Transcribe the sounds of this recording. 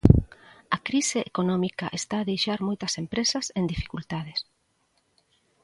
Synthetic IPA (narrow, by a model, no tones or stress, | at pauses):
ɐkɾiseʔekonɔmikaʔest̪aːðejʃaɾmojt̪ɐsempɾesɐsend̪ifi̥kult̪aðes